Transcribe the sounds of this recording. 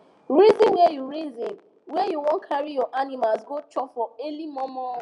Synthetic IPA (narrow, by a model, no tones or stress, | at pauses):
ɾizĩnwejuɾizĩn | wejuwɔ̃nkʰaɾijɔʔanimalzɡot͡ʃɔfɔelimɔmɔ